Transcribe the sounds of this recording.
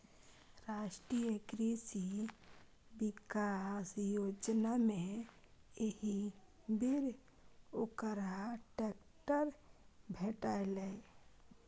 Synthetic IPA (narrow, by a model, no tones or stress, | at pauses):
ɾaʃʈɾijəkɾisi | bikasjod͡ʒnamẽ | jehi | beɾ | okəɾaʈɛk | ʈəɾbʱeʈaelɛ